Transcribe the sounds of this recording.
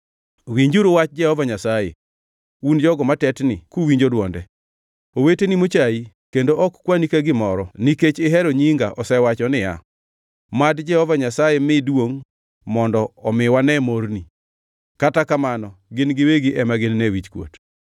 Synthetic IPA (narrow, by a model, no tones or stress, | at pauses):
wiɲd͡ʒuɾowat͡ʃd͡ʒɛhɔvaɲasajḛ | und͡ʒɔɡɔmatɛtnɪkuwiɲd͡ʒodwɔndɛ | owetenimot͡ʃai | kendoʔɔkkwanikaɡɪmɔɾɔniket͡ʃɪɦɛɾoɲiŋɡa̰ʔɔsɛwat͡ʃɔnɪja̰ | madd͡ʒɛhɔvaɲasajemɪdwoŋ | mɔndɔɔmɪwanɛmoɾni | katakamanɔɡɪnɡɪweɡiʔɛmaɡɪnːewit͡ʃkwo̰t